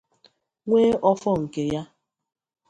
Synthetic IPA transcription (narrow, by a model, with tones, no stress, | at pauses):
ŋʷeː˦ʔɔ˦fɔ˦ŋ̩˨ke˨ja˦